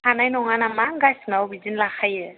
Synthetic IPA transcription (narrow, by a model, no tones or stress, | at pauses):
hanajnɔŋanamaŋɡasnawbizinlaxajɛ